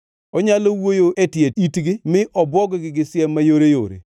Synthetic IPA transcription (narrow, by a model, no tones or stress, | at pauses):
ɔɲalowojoʔetjeitɡɪmɪʔɔbwɔɡɔɡɪɡɪsɪɛmːajoɾejo̰ɾḛ